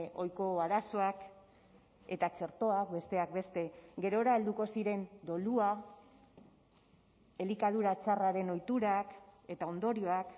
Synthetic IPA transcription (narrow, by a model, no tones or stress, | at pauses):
o̞jko̞aɾaso̞ak | e̞t̪at͡ʃe̞ɾt̪o̞akbe̞st̪e̞ak̚be̞st̪e̞ɡe̞ɾo̞ɾaeld̪uko̞siɾe̞nd̪o̞lua | e̞likað̞uɾat͡ʃaraɾe̞no̞jt̪uɾake̞t̪ao̞nd̪o̞ɾio̞ak